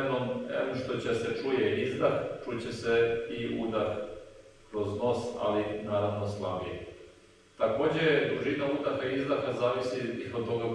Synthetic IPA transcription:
nomḛoʃt̪ot͡ɕeset͡ʃujeizd̪axt͡ʃut͡ɕeseiṵd̪ax | kɾo̞zno̞sa̰linaːɾaʋnoslˠabḭḛ | t̪ako̞ːd͡ʑed̪uʒinaud̪axaiizd̪axazaːʋisiiooɡa

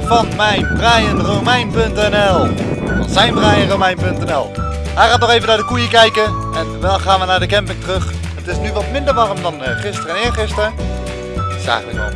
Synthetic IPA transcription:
fɑnmɛjnbrajənrowmɛjnpɵntɛnɛlˠɑ̰nzɛjnbrajənrowmɛjnpɵntɛnɛlˠ | ɦɛjχaːtnɔχejvənaːɹdəkujəkɛjkəɛndɛlˠχaːnʋənaːɹdəkɛmpɪŋtərɵχ | ətɪsnyʋɑtmɪndəɹʋɑrəmdɑnχɪstərənɪːɹχɪstrə | z̥a̰ːχələkɔ̰

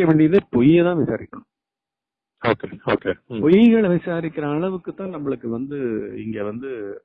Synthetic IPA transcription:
ɐʋeːɳɖɪjɐðepɔjɛt̪ãːʋɪsaːɾɪkːɐɳʊ̃ | oːkeoːkeːpɔjɐɡɐɭʋɪsaːɾɪkːɪɾɐːɭɐʋɯkːɯt̪ːãːnɐmːɐɭɯkːɯʋɐnd̪ɯɪ̰ŋɡeːʋɐnd̪ɯ

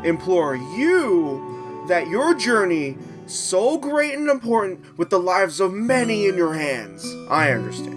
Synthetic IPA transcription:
ɨ̃mpʰl̥ɔɹju | ðɨt͡ʃə˞d͡ʒɜ˞ni | soʊɡɹeɪɾ̃n̩ɨ̃mpʰɔɹʔn̩ʔwɨðəlaɪvzʌvmɛniɪ̃njə˞ɦæ̃nz̥ʔa̰ɪʌ̰̃ndə̰˞stæ̰̃

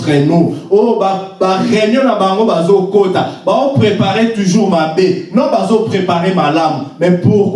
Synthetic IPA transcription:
ʁɛnũojobbaʁeɲɔ̃nabaŋɡobazokotabazopʁepaʁetuʒuʁmabenɔ̃bazopχepaʁemalamumɛpuʁ

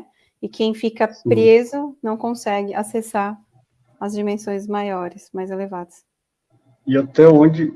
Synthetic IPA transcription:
ɪkʰẽj̃fikɐpɾezʊnɐ̃w̃kõsɛɡɪʔasesaɾ | ɐzd͡ʒimẽsõj̃zmajɔɾɪsmajzelevad̪ɐs | ɪat̪ɛõd͡ʒɪ

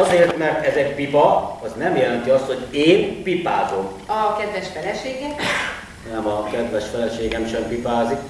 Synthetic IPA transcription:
ɒzeːrt̪mɛrt̪ɛzɛk̚pipɒɒznɛmjɛlɛnt̪iɒst̪ho̞ɟeːnpipaːzom | ɒkɛd̪ʋɛʃfɛlɛʃeːɡɛ | nɛmɒkɛd̪ʋɛʃfɛlɛʃeːɡɛmʃɛmpipaːzik

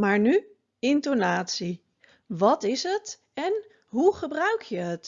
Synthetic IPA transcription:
maːɹny | ɪntonaːtsi | ʋɑtɪsɦət | ɛn | ɦuχəbrœɥkʰjəɦət

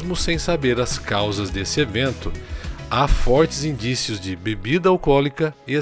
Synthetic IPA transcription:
zmʊsẽj̃sabeɾɐskawzɐzd̪esɪevẽnt̪ʊafɔɾt͡ʃɪzĩnd͡ʒisiʊzd͡ʒɪbebid̪ɐawkɔlikɐɪ

